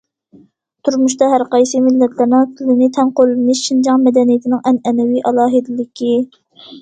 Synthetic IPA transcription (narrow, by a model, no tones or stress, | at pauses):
t̪ʰuɾmuʃt̪ɑɦæɾqɑjsɨmɪlːɛt̪ʰlɪɾnɪŋt̪ʰɪlɪnɪt̪ʰɛnqollɨmɪʃʃind͡ʒɑŋmɛd̪ɛnijit̪ʰɪnɪŋɛnɛnɛwiʔɑlˠɑːɦɨd̪ɪlɪkʲi